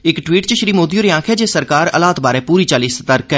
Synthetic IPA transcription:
ɪkʈwiːʈt͡ʃəʃɾiːmoːd̪ioːɾijãːkʰɛːd͡ʒeːsəɾkaːɾə̰laːt̪baːɾɛ̃ːpuːɾiːt͡ʃaːliːsət̪əɾkɛː

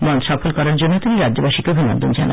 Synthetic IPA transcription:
mɔnʃɔfolkɔɾaɾd͡ʑonːot̪iniɾadːd͡ʑobaʃikebʱina̰nd̪ʱond͡ʑa̰na̰n

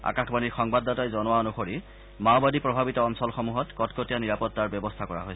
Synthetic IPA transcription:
a̰kaxbaniɹxɔŋbadːatajzɔnʊwaɔnuxoɹi | mawbadipɹɔbʱabitɔɔnsɔlxɔmuɦɔtkɔtkotijaniɹapɔtːaɹbɔbɔstʰakɔɹa̰ɦojsɛ

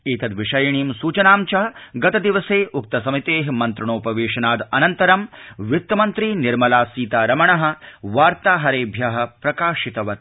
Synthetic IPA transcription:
iːt̪ɐd̪ʋiʂɐjɐɳiːmsuːt͡ʃɐnaːmt͡ʃɐɐɡɐt̪ɐd̪iʋɐseːʔuk̚t̪ɐsɐmit̪eːɦmɐnt̪ɾɐɳoːpɐʋeːʂɐnaːd̪ɐnɐnt̪ɐɾɐmʋit̪ːɐmɐnt̪ɾiːniɾmɐlaːsiːt̪aːɾɐmɐɳɐɦɐ̆ʋaːɾt̪aːɦɐɾeːbʱjɐɦɐ̆pɾɐkaːʂit̪ɐʋɐt̪̚

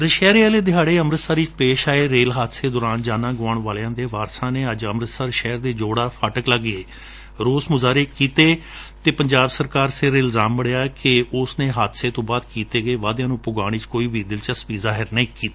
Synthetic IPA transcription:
ɾəʃɛːɾaːleːd̪ɪaːɽeːəmɾət̪saːɾiːt͡ʃpeːʃaːeːɾeːlɦaːt̪seːd̪oːɾaːnd͡ʒaːnãːɡʊʋaːɳʋaːleãːd̪eːʋaːɾsãːneːəd͡ʒəmɾət̪saːɾʃɛːɾd̪eːd͡ʒoːɽaːpʰaːʈəkləɡeː | ɾoːsmʊzaːɾeːkiːt̪eːt̪eːpəɲd͡ʒaːbsəɾkaːɾsɪɾɪlzaːmbəɽejaːkɪʊsnẽːɦaːt̪seːt̪õːbaːd̪kiːt̪eːɡəeːʋaːd̪jãːnũːpʊɡaːɽ̃iːt͡ʃkoːiːbʱiːd̪ɪlt͡ʃəspiːzaːɦɪɾnəĩːkiːt̪aː

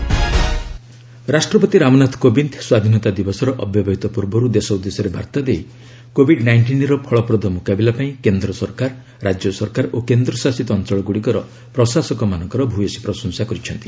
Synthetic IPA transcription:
ɾasʈɾɔpɔt̪iɾamɔnat̪ʰkobint̪ʰswad̪ʱinɔt̪ad̪ibɔsɔɾɔʔɔbjɔbaɦit̪ɔpuɾbɔɾud̪esɔud̪ːesɔɾebʱa̰ɾt̪ad̪ej | kobʱiɖnajɳʈinɾɔpʰɔɭɔpɾɔd̪ɔmukabilapaĩkend̪ɾɔsɔɾkaɾː | ad͡ʒjɔsɔɾkaɾokend̪ɾɔsasit̪ɔːnt͡ʃɔɭɔɡuɽikɔɾɔ | pɾɔsasɔkɔmanɔ̃ŋkɔɾɔbʱujɔsi̥pɾɔsɔŋsakɔɾit͡ʃʰɔnt̪i̥

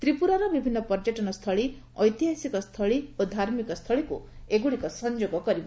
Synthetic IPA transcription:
t̪ɾipuɾɔɾɔbibʱinːɔpɔɾd͡ʒeʈɔnɔst̪ʰɔɭi | ɔjt̪iɦasikɔst̪ʰɔɭiod̪ʱaɾmikɔst̪ʰɔɭikṵeɡuɽikɔsɔnd͡ʒoɡɔkɔɾibɔ

